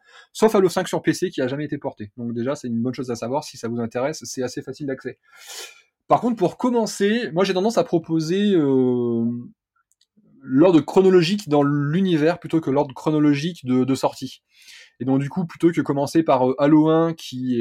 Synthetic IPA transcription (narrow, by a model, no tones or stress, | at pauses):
sofalosɛ̃ksyʁpesekʲiaʒamɛet̪epɔʁt̪ed̪ɔ̃k̚d̪eʒasɛt̪ynbɔnʃozasavwaʁsi̥savuzɛ̃t̪eʁɛsːɛasefasild̪aksɛ | paʁkɔ̃t̪χpuʁkɔmɑ̃semwaʒet̪ɑ̃d̪ɑ̃sapχɔpozeø | lɔʁd̪ʁəkχɔnɔlɔʒikd̪ɑ̃lynivɛʁplyt̪okəlɔʁd̪ʁəkχɔnɔlɔʒikd̪əd̪əsɔʁt̪i | ed̪ɔ̃k̚d̪ykuplyt̪okəkɔmɑ̃sepaʁøʔaloɛ̃kʲʰiɛ